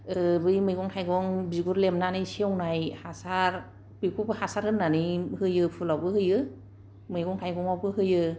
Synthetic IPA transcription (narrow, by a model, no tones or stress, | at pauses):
ɯbɯjmɯjɡɔŋtʰajɡɔŋbiɡuɾlemnanisiɔwŋnajhasaɾ | pikʰupɯhasaɾhɯnːanihɯjɯpʰulawbɯhɯjɯ | mɯjɡɔŋtʰajɡɔŋawpɯɦɯjɯ